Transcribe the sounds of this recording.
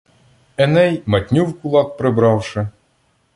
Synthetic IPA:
ɛnɛjmɐt̪ʲnʲuwkulˠɑk̚pɾɘbɾɑwʂɘ̆

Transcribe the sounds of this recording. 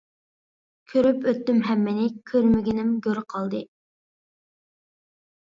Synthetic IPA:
kʲʰøɾypøt̪ːymɦɛmːɪnɪkʲʰøɾmɪɡʲinɪmɡʲøɾqʰɑlˠd̪ɨ

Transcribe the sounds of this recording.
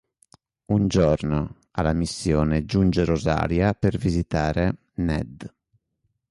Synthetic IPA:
und͡ʒɔɾno | alamisːjɔːnɛd͡ʒund͡ʒɛɾoza̰ːɾjapɛɾvizit̪aːɾɛ | nɛ̰d̪

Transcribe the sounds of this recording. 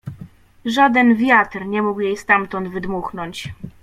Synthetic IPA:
ʐad̪ɛnvʲjat̪ɾɲɛmukjejst̪amt̪ɔnd̪vɘd̪muxnɔɲt͡ɕ

